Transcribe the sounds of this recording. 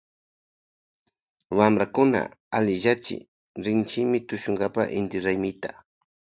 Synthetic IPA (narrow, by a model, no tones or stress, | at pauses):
wamɾakʊna̰alɪʒat͡ʃɪ̰ | ɾɪnt͡ʃɪmɪt̪ʊʃʊŋɡapa̰ʔɪnt̪ɪɾajmɪt̪a